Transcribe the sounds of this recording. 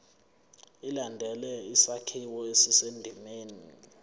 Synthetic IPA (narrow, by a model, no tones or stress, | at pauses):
ilandʱɛlɛisakʰiwɔesisendʱimeːni